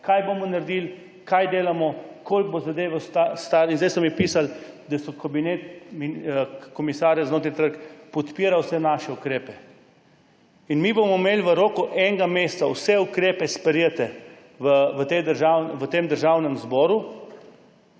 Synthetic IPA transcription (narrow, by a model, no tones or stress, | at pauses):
kajbomɔnaɾd̪il | kajd̪eːlamɔkolɡ̚bozad̪eːʋast̪ast̪aɾinzd̪ajsɔmipiːsald̪asɔkɐbinet̪mikɔmisaːɾjaznoːt̪ɾjt̪əɾkpɔt̪piːɾawsɛnaʃɛukɾeːpɛ | inmibomɔmeːlʋəɾoːkɔʔɛŋɡameːst̪sawsɛukɾeːpɛspəɾjɛt̪ɛ | ʋəʋət̪ed̪əɾʒawnʋət̪emd̪əɾʒaːwnɛmzbɔːɾu